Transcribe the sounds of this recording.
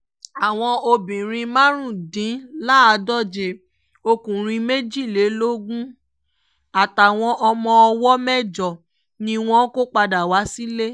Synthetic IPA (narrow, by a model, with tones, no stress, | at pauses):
a˨w̃ɔ̃˧o˧bĩ˨ɾ̃ĩ˧mã˦ɾũ˦˨dĩ˨˦la˦a˧dɔ˦˨d͡ʒe˧˨ | o˧kũ˨ɾ̃ĩ˧me˦d͡ʒi˦˨le˨˦lo˦ɡũ˦ | a˨ta˨w̃ɔ̃˧ʔɔ˧mɔ̃˧ɔ˧wɔ˦mɛ˦˨d͡ʒɔ˨ | nĩ˧w̃ɔ̃˦ko˦k͡pa˧da˨wa˨˦si˦le˦